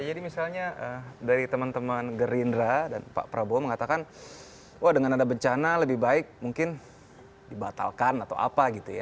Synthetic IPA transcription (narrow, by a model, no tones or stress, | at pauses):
d͡ʒadimisalɲaʔədaɾit̪əmant̪əmanɡəɾindɾadanpa̰pɾaboməŋat̪akan | wʔahdəŋanadabəɲt͡ʃanaləbɪhbaɪk̚muŋkɪn | dibat̪a̰lkanat̪a̰wa̰paɡit̪uja